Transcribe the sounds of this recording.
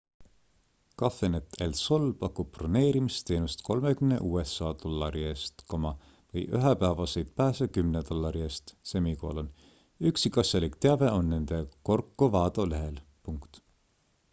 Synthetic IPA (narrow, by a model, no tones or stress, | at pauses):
kɑfenet̪ˑʰːelso̞lpɑkːˑub̚prone̞ːɾimist̪e̞ːnust̪kʰo̞lmekymne̞̰ʔuːe̞sːɑːt̪o̞lːɑɾie̞ːst̪ko̞mɑ | vɤjʔyɦepæːvɑse̞jd̪̥̚pæːsekymnet̪o̞lːɑɾie̞ːst̪semiko̞̰lon | yksikɑsjɑlikt̪eɑve̞o̞nːe̞nd̪̥e̞ko̞rkˑːuvɑːd̪o̞le̞ɦe̞lpuŋkt̪